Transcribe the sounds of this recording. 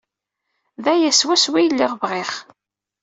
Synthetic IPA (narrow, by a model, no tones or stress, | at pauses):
ðæjæswæswijlːiʁvʁɪχ